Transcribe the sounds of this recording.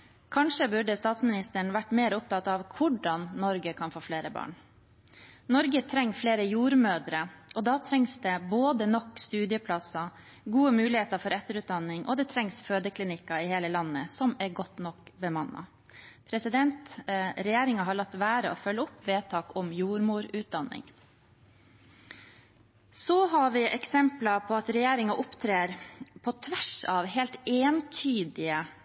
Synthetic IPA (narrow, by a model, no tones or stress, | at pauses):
kʰɑnʂəbʉɖəst̪ɑːt̪smɪnɪst̪əɳʋæʈːmeːɾʊp̚t̪ʰɑt̪ːɑʋkʰʊɖɑnːɔɾɡəkʰɑnfoːfleːɾəbɑ̰ːɳ | nɔɾɡət̪ʰɾɛŋːfleːɾəjuːɾmøːd̪ɾəʔɔd̪ɑːt̪ʰɾɛŋsd̪ɛboːd̪ənɔkːst̪ʉːd̪ɪəpʰlɑsɑ | ɡuːəmʉːlɪheːt̪əɾfɔɾɛt̪ːəɾʉːt̪̚d̪ɑnːɪŋʔɔ̰d̪ɛt̪ʰɾɛŋsføːd̪əkʰlɪnɪkːɑɪheːləlɑnːəsɔmæɾɡɔt̪nɔkbəmɑnːɑ̰ | pʰɾɛsɪd̪ɛnt̪ɾɛjeːɾɪŋɑɦɑɾɭɑt̪ːʋæːɾəɔfœlːəʊpːʋeːt̪ʰɑːkɔmjuːɾmuːɾʉːt̪̚d̪ɑnːɪ̰ŋ | sɔɦɑɾʋɪʔɛksɛmplɑpʰɔɑt̪ɾɛjeːɾɪŋɑʔʊpt̪ʰɾeːɾpʰɔt̪ʰʋæʂɑʋheːlt̪eːnt̪ʰyːd̪ɪə